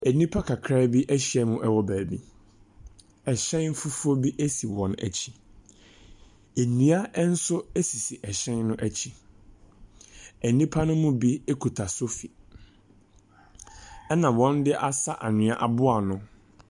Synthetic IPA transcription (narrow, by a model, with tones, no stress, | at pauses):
æ˨nĩ˦pʰa˦kʰa˨kʰɾaː˦bi˦ʔæ˦ɕi˦˨ɛ˨mʊ̃˦ʔɛ˦wɔ˦bæː˨bḭ˦ | ɛ˨ɕɛ̃˦n˦fu˦fʊ˦o˦bi˦ʔæ˦si˨wɔ̃˨næ̰˨t͡ɕʰi̥˦ | e˨nũ˨˦a˦n̩˦sʊ˦æ˦si˨si˨ʔɛ˨ɕɛ̃˦nːʊ̃˦ʔæ˨t͡ɕʰi˦ | æ˨nĩ˦pʰa˦nʊ̃˦mʊ̃˦bi˦e˦kʰu˨tʰa˨so˦fi˨ | ɛ˦nã˨wɔ̃˦ndɪ˦ʔa˦sa˦ʔa˨nɪ̃˨a˦ʔa˨bʊ˦a˨nʊ̃˦